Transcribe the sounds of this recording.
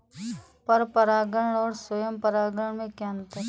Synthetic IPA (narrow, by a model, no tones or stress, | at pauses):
pɐɾpɐɾaːɡəɳ̃ɔːɾswəjəmpəɾaːɡəɳmẽkaːnt̪e